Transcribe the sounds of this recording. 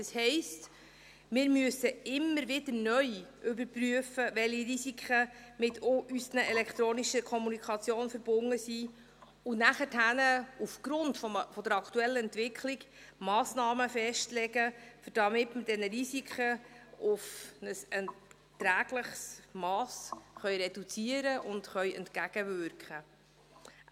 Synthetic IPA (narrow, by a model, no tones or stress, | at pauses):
ɑshɛɪst | mɪːɾmyəsːəɪmːəɾʋɪd̪əɾnœjʔʏbəɾpɾyəfəʋɛliɾisikʰχəmɪtʰoʔysənəɛlɛkχt̪ɾoːniʃəkʰɔmunikʰɑt͡sjoːnfəɾbʊnːəsi | ʊnæχəthænəufɡ̥ɾʊntfɔfɔd̥̪əɾɑkʰtuɛlːəɛntʋɪkʰliɡ | mɑːsnɑːməfɛʃtlɛɡəfʏɾd̥ɑmɪtməd̥ɛnəɾisikχəʊfnəsɛn | t̪ːɾæːɡ̥ləχsmɑːsχœjɾɛd̥ut͡siəɾəʔʊndχœjɛ̰ntkæɡ̥əvʏɾkχə